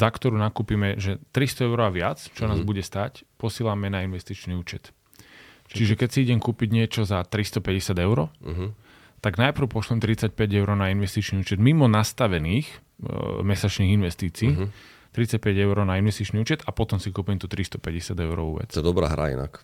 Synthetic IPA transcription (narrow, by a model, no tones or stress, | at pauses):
zakt̪ɔɾuːnakuːpimɛʒɛt̪ɾist̪ɔɛʊɾɔaʋɪat͡st͡ʃɔnaːzbuɟɛst̪acpɔsɪilamɛnainʋɛst̪it͡ʃniuːt͡ʃɛt̪ | t͡ʃt͡ʃiʒɛkɛcsiiɟɛmkuːpiɟɲɪɛt͡ʃɔzat̪ɾist̪ɔpɛɟɛsɪad̪ɛʊɾɔɦ | t̪aɡnajpr̩ʊpɔʃlɛmt̪ɾit͡sac̚pɛɟɛʊɾɔʊnainʋɛst̪it͡ʃniuːt͡ʃɛd̪mimɔnast̪aʋɛniːx | mɛsat͡ʃniːɣinʋɛst̪iːt͡siː | t̪ɾit͡sac̚pɛɟɛʊɾɔːnainʋɛst̪it͡ʃniuːt͡ʃɛt̪apɔt̪ɔmsikuːpimt̪ut̪ɾist̪ɔ̥pɛɟɛsɪad̪ɛʊɾɔ̰ṵːʋɛ̰t͡s̪ɔɛd̪ɔbɾa̰ɦɾa̰ḭna̰k